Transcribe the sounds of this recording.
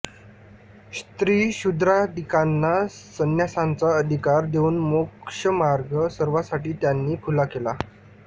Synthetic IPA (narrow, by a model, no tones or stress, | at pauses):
st̪ɾiːɕud̪ɾad̪ikanːasənjasãnt͡saəd̪ʱikaɾd̪euːnmokʂəmaɾɡʱəsəɾʋasaʈiːt̪janːiːfʰulakela